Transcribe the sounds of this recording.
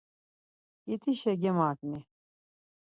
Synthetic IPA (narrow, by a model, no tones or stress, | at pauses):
it̪ʰiɕɛɡɛmaːkni